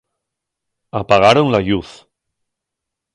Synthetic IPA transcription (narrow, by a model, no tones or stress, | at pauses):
apaɣaɾonlaʎuθ